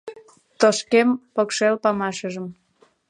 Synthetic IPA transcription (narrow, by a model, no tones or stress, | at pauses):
t̪oʃkempokʃelpɑmɑʃəʒəm